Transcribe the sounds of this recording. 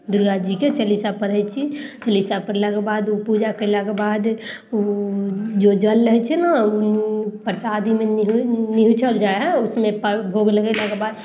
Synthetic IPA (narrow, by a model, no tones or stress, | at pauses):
d̪ʊɾɡad͡ʒiket͡ʃəlisapəɾət͡ʃʰit͡ʃəlisapəɾlaɡebaːd̪upud͡ʒakəlaɡebaːd̪ | d͡ʒod͡ʒəlːəɦɛt͡ʃʰɛnaupəɾsad̪imẽnɦniɦut͡ʃʰəld͡ʒaːeɦɛ̃ʊsmẽpəbʱoɡləɡɛlaɡebaːd̪